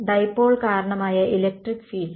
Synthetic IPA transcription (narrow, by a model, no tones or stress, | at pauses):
ɖ̪ɐjpːoːɭkaːɾɐɳɐmaːjɐilek̚ʈrikːfiːl